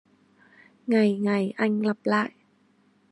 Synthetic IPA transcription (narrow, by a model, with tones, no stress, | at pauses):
ŋa˨˩jŋa˨˩jʔa˧ŋla˧˩p̚laː˧˨j